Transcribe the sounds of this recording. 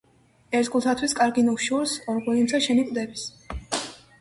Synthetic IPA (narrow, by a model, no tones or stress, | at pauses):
ɛɾt̪ɡulˠt̪ʰat̪ʰwiskʼaɾɡinukʃuɾsɔɾɡulimsʰaʃɛnikʼd̪ɛbis